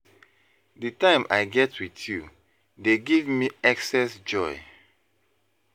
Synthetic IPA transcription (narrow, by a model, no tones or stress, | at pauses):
dɨtãɪ̃mʔa̰ɪɡɛtʰwiθju | deɡivmiɛksɛsd͡ʒɔɪ